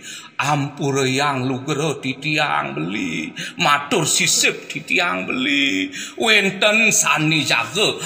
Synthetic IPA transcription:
ʔampuɾəjaŋluɡəɾət̪it̪ia̰ŋbəlḭmat̪ʊrsisɪp̚d̪it̪iaŋbəliwɛnt̪ənsanid͡ʒa̰ɡə

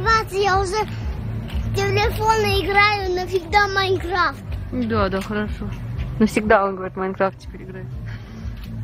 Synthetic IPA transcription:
vat̪sɨjaʊʐɛ | t̪ʲelʲefonəɪɡɾajʊnofʲɪɡ̚d̪amajnkɾaft̪d̪ad̪axəɾɐʂonofsʲɪɡ̚d̪aonɡəʋɐɾʲit̪mankɾaft̪̚t͡ɕʲɪ̥pʲeɾʲɪɡɾaju

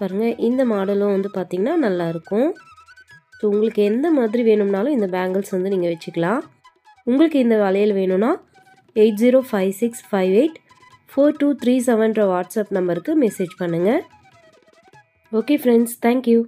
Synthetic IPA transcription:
paːɾɯŋɡɐʔɪnd̪ɐmaːɽɐlʊ̃ʋɐnd̪ɯpaːɾt̪iːŋɡɐnːaːnɐlːaːɪɾɯkːʊ̃ | soːʊŋɡɐɭɯkːɯɛnd̪ɐmaːðɪɾiʋeːnɯmnaːlʊ̃ɪnd̪ɐbaːŋɡɐlsʋɐnd̪ɯniːŋɡɐʋɛt͡ʃːɯkːɐɭãː | ʊŋɡɐɭɯkːɯɪnd̪ɐʋɛlɐjɪlʋeːnʊ̃naː | eɪʈ̚ziːɾoːfɐɪʋsɪksfɐɪʋeɪʈ | foːɾʈuːt̪ɾiːsɛʋɐnɾɐʋaːʈsaːpnɐmbɐɾɯkːɯmɛseːd͡ʒpɐɳːɯŋɡɐ | oːkeːfɾɛɳɖst̪ʰɛ̃ːŋkju

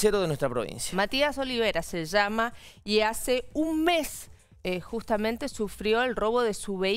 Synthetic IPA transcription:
seɾoðenwest̪ɾapɾoβḭ̃nsjamat̪iaso̞liβeɾaseʒamaiaseunmes | xust̪amẽnt̪esufɾjo̞elro̞βo̞ðesuβe

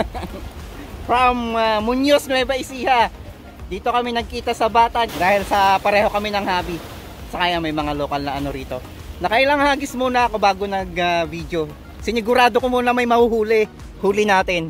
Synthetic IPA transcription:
fɾɐmːʊnjosnɛbɐʔɪsiːhɐ | d̪iːt̪o̞kɐmɛnɐɡ̚kiːt̪ɐsɐbaːt̪ɐd̪aːhɪlsɐpɐɾɛːho̞kɐmɛnɐŋhaːbi | sɐkaːjamɐjmɐŋalokɐlnɐʔɐno̞ɾiːt̪o̞ | nɐkɐʔɪlaŋhaːɡɪsmuːnɐʔɐko̞baːɡo̞nɐɡavid̪jo̞ | sɪnɪɡʊɾaːd̪okomuːnɐmɐjmɐhuhuːlɪ | huːlɪnaːt̪ɪn

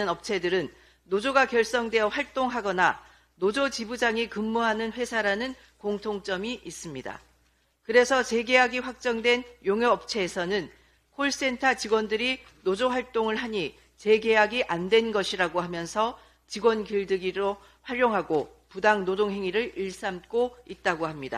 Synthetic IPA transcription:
ɯnʌp̚t͡ɕʰe̞dɯɾɯnː | od͡ʑoɡakjʌɭs͈ʌŋdwe̞jʌɸwaɭt͈oŋɦaɡʌna | nod͡ʑot͡ɕibud͡ʑaŋikɯmːuɦanɯnɸwe̞sʰaɾanɯn | koŋtʰoŋt͡ɕ͈ʌmiʔis͈ɯmɲida̰ | kɯɾe̞sʰʌt͡ɕe̞ɡe̞ɦaɡiɸwak̚t͡ɕ͈ʌŋdwe̞njoŋjʌːp̚t͡ɕʰe̞ːsʰʌnɯn | kʰoɭs͈e̞ntʰat͡ɕiɡwʌndɯɾi | nod͡ʑoɸwaɭt͈oŋɯɭɦaɲi | t͡ɕe̞ɡe̞ɦaɡiʔandwe̞nɡʌɕʰiɾaɡoɦamjʌnsʰʌ | t͡ɕiɡwʌnkiɭdɯɡiɾo | ɸwaɾjoŋɦaɡo | pudaŋnodoŋɦe̞ŋiɾɯɾiɭs͈amk͈oit̚t͈aɡohamɲida̰

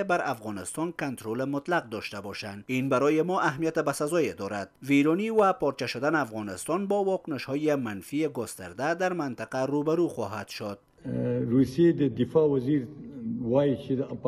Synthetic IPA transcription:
ebaɾʔafɣɔnɪst̪ɔnkant̪ɾolemʊt̪laq̚d̪ɔʃt̪abɔʃand̪inbaɾɔjemɔʔaɦmijat̪ɪbasazɔjed̪ɔɾad̪̥viɾɔniwapɔɾt͡ʃaʃʊd̪aneafɣɔnɪst̪ɔnbɔwɒkʊnɪʃhɔjemanfieɡʊst̪a̰ɾd̪ad̪aɾmant̪aqaɾobaɾuxɔɦad̪ʃod̪̥ | ɾusijed̪əd̪ɪfɑwaziɾwɑjit͡ʃed̪p

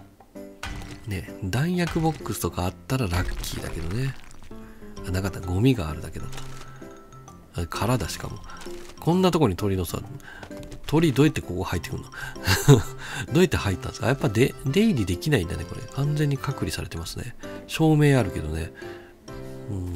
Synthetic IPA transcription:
ne̞d̪ãɰ̃jakɯ̟bo̞kːɯsɨ̥t̪o̞kaːt̪ːaɾaɾakʲʰːḭːd̪a̰ke̞d̪o̞ne̞ | anakat̪ːaɡo̞mʲiɡaːɾɯ̟d̪ake̞d̪at̪ːḁ | kʰaɾad̪aɕi̥ka̰mo̞kʰõ̞nːat̪o̞koɲ̟it̪o̞ɾino̞sa̰ | t̪ʰo̞ɾʲid̪o̞ːjat̪ːeko̞ːhait̪ːekɯ̟̰̃no̥ | d̪o̞ːjat̪ːe̞hait̪ːã̰nskajapːad̪ed̪e̞iɾʲid̪e̞kʲinaĩnd̪ane̞ko̞ɾḛkʰãnzẽ̞ɲ̟ːikʰakɯ̟ɾʲisaɾe̞t̪e̞masɨne̞̰ɕo̞ːme̞ːaɾɯ̟ke̞d̪o̞ne̞̰ | ɯ̃ː

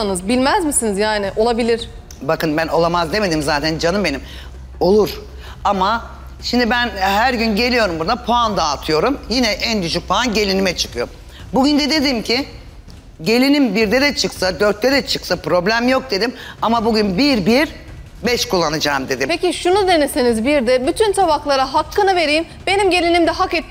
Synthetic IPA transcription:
anɯzbilʲmæzmisinizjaːnɪʔo̞lˠabilʲiɾ̥ | bakɯnbæno̞lˠamazd̪e̞me̞d̪imzaːt̪ʰænd͡ʒanɯmbe̞nim | o̞lˠuɾ | ama | ʃimd̪ibænɦæɾɟynɟe̞lʲijo̞ɾumbuɾd̪apʰoand̪aːt̪ʰɯjo̞ɾumjinɛʔɛnd̪yʃyc̚pʰanɟe̞lʲinimɛt͡ʃʰɯ̥kɯjo̞̰ | buɟynd̪ɛd̪e̞d̪imcʰɪ | ɟe̞lʲinʲimbiɾd̪ɛd̪ɛt͡ʃʰɯksad̪øɾt̪̚ːɛd̪ɛt͡ʃʰɯksapɾo̞blʲæmjo̞k̚d̪e̞d̪imamabuɟynbiɾbiɾ | bɛʃkulˠːanad͡ʒaːmd̪e̞d̪impʰeciʃunud̪e̞nesenizbiɾd̪ɛbyt̪ʰynsʰabaxlˠaɾaɦakʰːɯnɯve̞ɾijm | be̞nimɟe̞lʲinimd̪ɛɦakɛt̪̚ː

